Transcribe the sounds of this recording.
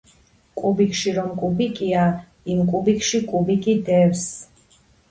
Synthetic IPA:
kʼubikʰʼʃiɾɔmkʼubikʼia | imkʼubikʰʼʃikʼubikʼid̪ɛws

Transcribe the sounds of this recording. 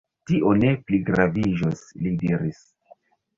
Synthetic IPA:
tiʔo̞ne̞pliɡɾavid͡ʒoslidiɾis

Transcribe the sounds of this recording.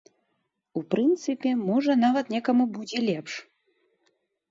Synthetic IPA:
upɾɨnt̪sɨpʲɛmɔʐɐnavɐt̪nʲɛkɐmubud͡zʲɛlʲɛpʂ

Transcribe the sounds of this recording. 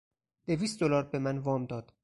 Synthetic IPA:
d̪̥e̞viːst̪̚d̪olɒːɾbe̞mænvɒːmd̪ɒːd̪̥

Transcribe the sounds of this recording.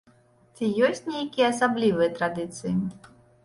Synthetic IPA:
t͡sʲijɔsʲt͡sʲnʲejkʲijɛɐsablʲivɨjɛt̪ɾad̪ɨt̪sɨji

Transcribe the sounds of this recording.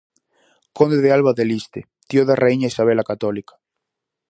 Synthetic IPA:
kond̪eðealβaðelist̪ḛ | t̪ioðarʔeiɲaisaβ̞elakat̪ɔlikḁ

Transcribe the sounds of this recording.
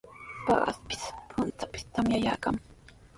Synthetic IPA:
pɑ̰ɢa̰spɪ̥spʰʊnt̪apɪ̥st̪amjaja̰ːkaŋ

